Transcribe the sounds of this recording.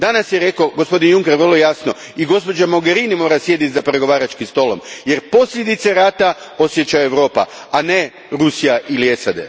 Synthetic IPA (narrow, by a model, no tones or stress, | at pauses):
d̪anasjeɾe̞koɡospo̞d̪injuŋkeɾʋərlo̞jasno̞ | iɡo̞spo̞d͡ʒamoɡe̞ɾinimo̞ːɾasje̞d̪it̪zapɾe̞ɡo̞ʋaːɾat͡ʃkimst̪o̞ːlo̞mje̞ɾpo̞sʎʲe̞d̪it̪seɾaːt̪a | o̞sje̞t͡ɕajeʋɾo̞ːpa̰ | ane̞ | ɾusijaʔiliesad̪ḛ